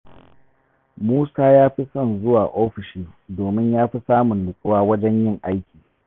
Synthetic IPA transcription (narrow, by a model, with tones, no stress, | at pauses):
muː˦saː˦jaː˦ɸi˦sɐ˦˨nzʊ˦waː˨ʔoː˦ɸɪ˨ʃiː˦doː˨mɪ˦ɲjaː˦ɸi˦saː˦mʊ˨nlʊ˨sʼɪ˦waː˦wɐ˦d͡ʒɛ˦ɲjɪ˦˨ŋʔa˦jkʲiː˨